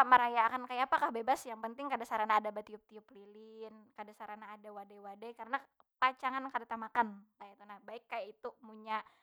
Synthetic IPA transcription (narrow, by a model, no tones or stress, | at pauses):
aməɾajakankajaːpakahbebasjaŋpənt̪ɪŋkadasaɾanaːdabat̪iʊp̚t̪iʊplilɪnkadasaɾanaːdawadajwadajkaɾəna | pat͡ʃaŋankadat̪amakankajat̪unahbaɪkːajait̪umuɲa